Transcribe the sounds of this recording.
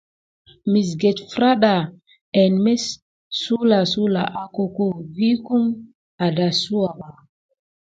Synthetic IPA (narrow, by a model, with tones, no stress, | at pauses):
mi˨s̬ɡe˨tfɾa˦ɗa˨ | ɛ˨nme˦sː | u˦la˨su˦la̰˨ʔa˨ko˨ko˦vi˦ku˦m | a˨da˨su˦wa˨ɓa˨